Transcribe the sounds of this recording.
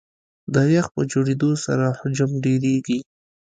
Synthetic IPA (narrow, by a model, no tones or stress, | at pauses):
d̪ajaxpəd͡ʒoɽed̪osa̰ɾahʊd͡ʒamɖeɾeɡi